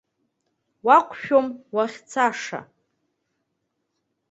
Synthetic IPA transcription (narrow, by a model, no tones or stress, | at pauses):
waqʷʰʼʃᶣomwaχʲt͡sʰaʂa̰